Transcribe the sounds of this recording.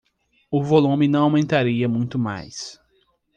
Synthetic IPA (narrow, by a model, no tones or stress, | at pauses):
ʊvolũmɪnɐ̃w̃awmẽnt̪aɾiɐmũj̃t̪ʊma̰js